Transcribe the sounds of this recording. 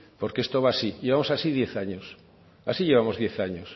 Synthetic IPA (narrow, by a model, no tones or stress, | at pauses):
poɾkeest̪oβasiʎeβamosasiðjeθaɲos | asiʎe̞β̞amozðjeθaɲos